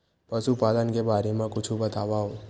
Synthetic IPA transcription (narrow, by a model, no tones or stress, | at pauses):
pəʃupalənkebaːɾemãkʊt͡ʃʰũbət̪aʋaɦo